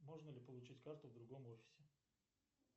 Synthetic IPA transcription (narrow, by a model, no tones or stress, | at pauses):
mo̞ʐnəlʲɪpəlˠʊt͡ɕitʲkart̪ʊvd̪ɾʊɡo̞mo̞fʲɪ̥sʲɪ